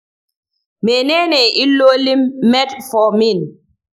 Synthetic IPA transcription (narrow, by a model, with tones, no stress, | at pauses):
me˨nɛ˦nɛ˨i˦lːo˦li˦mːɛ˦tfɔ˨mi˦˨n